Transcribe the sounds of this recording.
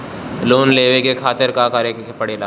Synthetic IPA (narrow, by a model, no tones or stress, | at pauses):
loːnleːʋekekʰaːt̪ɪɾkakaɾekepəɽeːlaː